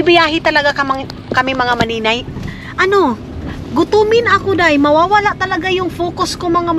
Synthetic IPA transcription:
ɪbɪjaːɦɪt̪ɐlɐɡakɐma | kɐmɪmɐŋamɐniːnaj | ʔɐno̞ | ɡʊt̪umɪnɐkod̪ajmɐwaːwɐlaʔt̪ɐlɐɡajʊŋfoːkoskʊŋmɐŋam

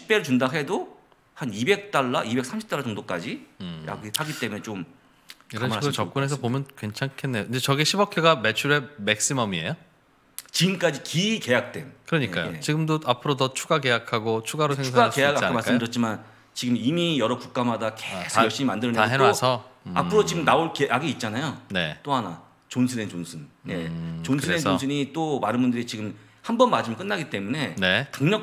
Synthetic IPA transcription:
ɕʰi̥p͈eɾɯɭt͡ɕundaɦe̞do | hanibe̞k̚t͈aɭːaʔibe̞k̚s͈ʰamɕʰi̥p̚t͈aɭːat͡ɕoŋdok͈ad͡ʑija̰ɡihaɡitt͈e̞munet͡ɕom | iɾʌmaiɡɯɭt͡ɕʌp̚k͈ɯnɦe̞sʰʌpomjʌnkwe̞nt͡ɕʰaŋkʰenːejoind͡ʑet͡ɕʌɡiɕʰibʌkʰeɡamet͡ɕʰuɾemek̚s͈imʌmiḛjo | t͡ɕiɡɯmk͈ad͡ʑikike̞jak̚t͈we̞nkɯɾʌɲik͈a̰j̰et͡ɕiɡɯmdoapʰɯɾodʌt͡ɕʰuɡake̞jakʰaɡot͡ɕʰuɡaɾosʰes̬ʰaɡakeaɡɯakamaɭs͈mddɯɾʌt̚t͡ɕ͈ʰiman | t͡ɕiɡɯmimijʌɾʌkuk̚k͈amadakesʰjʌɭɕ͈imimandɯɾɯneaeɾasʰʌa̰pʰɯɾot͡ɕiɡɯmnaoɭkeʔaɡiit̚t͡ɕ͈anajone̞t͈oɦana̰ | t͡ɕonsʰɯnent͡ɕonsʰɯnne̞t͡ɕonsʰɯnenosʰɯɲit͈omaɾɯnbundɯɾit͡ɕiɡɯm | hambʌnmad͡ʑimkɯnːaɡit͈e̞mune̞ne̞kaŋɲʌ

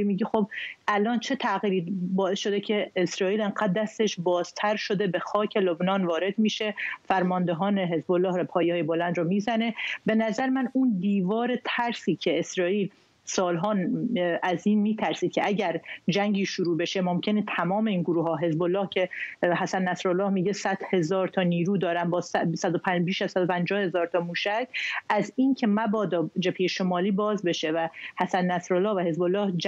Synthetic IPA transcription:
imiːɟixobʔælɒːnt͡ʃʰe̞t̪ʰæʔɣiːɾiːbɒːesʃo̞d̪ecʰe̞ːsɾɒːʔiːleŋɢæːd̪̚d̪æst̪e̞ʃbɒːz̥t̪ʰæɾʃo̞d̪e̞bexɒːcʰelobnɒːnvɒːɾe̞d̪miːʃe̞fæɾmɒnd̪eɦɒːneɦe̞zbolːɒːhɾpʰɒːjeɒːjebo̞lænd̪ɾɔːmizæne̞be̞næzæɾemænund̪iːvɒːɾet̪ʰæɾsiːcʰe̞esɾɒːʔiːl | sɒːlɦɒːnæziːnmiːt̪ʰæɾsiːd̪̚cʰe̞̰ʔæɟæɾd͡ʒæŋɟiːʃuɾuːbe̞ʃemomcʰe̞net̪ʰæmɒːme̞iːnɡoɾuːɦɒːɦe̞zbolːɒːhcʰe̞ɦæsænːæsɾolːɒːhmiːɟesæd̪̥he̞zɒːɾt̪ʰɒːniːɾuːd̪ɒːɾæmbɒːssæd̪opʰbiːʃæz̥sæd̪opʰænd͡ʒɒːhe̞zɒːɾt̪ʰɒːmuːʃæcʰʔæziːncʰe̞mæbɒːd̪ɒːd͡ʒepʰhejeʃomɒːliːbɒːzbe̞ʃe̞væhæsænnæsɾolːɒːhvæhe̞zbo̞lːɒːhd͡ʒ

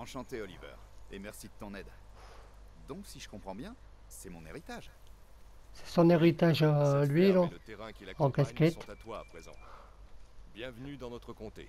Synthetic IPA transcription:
ɑ̃ʃɑ̃t̪eɔlivɛ̰ʁemɛʁsid̪ət̪ɔ̃nɛd̪ | d̪ɔ̃ksiʒəkɔ̃pχɑ̃bjɛ̃ | sɛmɔ̃neʁit̪aʒ | sɛ̥sɔ̃neʁit̪aʒlɥilɔlət̪eʁɛ̃kʲilaɑ̃kaskʲɛst̪t̪at̪wa̰ːpχezɑ̰̃ | bjɛ̃vnyd̪ɑ̃nɔt̪χəkɔ̃t̪ḛ

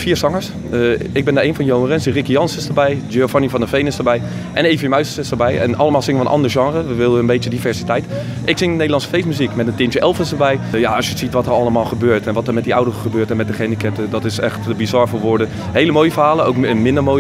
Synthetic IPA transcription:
fiːɹsɑŋəɹs | ɪɡbɪndaʔejnfɔnjoŋərənsdərikəjɑnsɪsdəɹbɛjd͡ʒeofɔnifɔndəfejnɪsdəɹbɛj | ʔɛnejvəjəmœɥsəsɪsdəɹbɛjɛ̰nɑləmaːlˠsɪŋəʋənʔɑ̰ndəɹʒɑŋrəʋəʋɪlˠdəənbetjədifɛɹsitɛjt | ʔɪksɪŋənedəlˠɑnsə̥fejsmyzikmɛtəntɪntjəʔɛlˠfɪsdəɹbɛjjaɔsjəsitʋɔtəɹɑlˠəmaːlˠχəbøːɹtɛnʋɔtəɹmɛtdiawdərəχəbøːɹtɛnmɛt̚dəχɛnikɛtədɔtɪsɛxtəbizɔɹfəɹʋoːɹdən | heːləmoːjəfəɹɦaːləowkənmɪndəɹmoːj

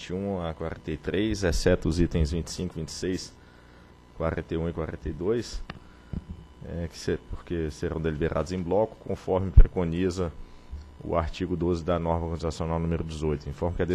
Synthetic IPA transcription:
t͡ʃɪũakwaɾẽnt̪ejt̪ɾejzɛsɛt̪ʊzit̪ẽj̃zvĩnt͡ʃɪ̥sĩkʊvĩnt͡ʃɪ̥sejs | kwaɾḛ̃nt̪ejũɪkwaɾẽnt̪ejd̪ojs | ɛkɪ̥sepoɾkeseɾɐ̃w̃d̪elibeɾʔa̰d̪ʊzẽj̃blɔkʊ̥kõfɔɾmɪpɾekonizɐ | ʊ̰aɾt͡ʃiɡʊd̪ozɪd̪ɐnɔɾmɐkõt͡ʃizasijõnawnũmeɾʊd͡ʒɪzojt̪ʊĩfɔɾmɐkɪad̪e

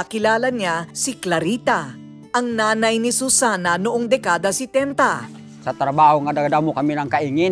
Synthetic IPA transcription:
ɐkɪlaːlɐɲasiklɐɾiːt̪a | ʔɐŋnaːnɐjnisusaːnɐnʊʔoŋd̪ɛkaːd̪ɐsɛt̪ɛnt̪ɐ | sat̪ɾabahoŋadaɡdamokaminaŋkaiŋin

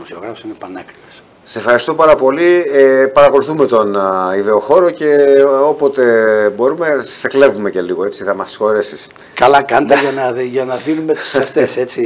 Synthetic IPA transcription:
imosioɣɾɐfo̥sinepɐnɐkɾives | sefxɐɾist̪opɐɾɐpo̞liepɐɾɐko̞luθume̞t̪o̞niðe̞o̞xo̞ɾo̞ce̞o̞po̞t̪e̞bo̞ɾume̞se̞kle̞vume̞ce̞liɣo̞e̞t͡siθɐmɐsxo̞ɾesis | kɐlɐkɐnd̪ɐʝɐnɐʝɐnɐðinumet̪i̥seft̪ese̞t͡si

